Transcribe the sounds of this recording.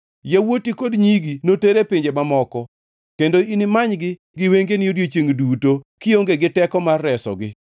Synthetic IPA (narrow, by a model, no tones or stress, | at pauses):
jawotikodɲiɡinoteɾepɪɲd͡ʒemamɔkɔ | kendoinɪmaɲɡɪ | ɡɪweŋɡenɪodjet͡ʃeŋdutokɪoŋɡeɡɪtɛkɔmarːɛsɔ̰ɡɪ